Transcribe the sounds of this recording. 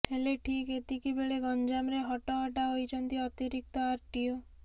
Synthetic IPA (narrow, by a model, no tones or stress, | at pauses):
heleʈʰiket̪ikibeɭeɡɔnd͡ʒamɾeɦɔʈɔɦɔʈaɦojt͡ʃʰɔnt̪iɔt̪iɾik̚t̪ɔaɾʈio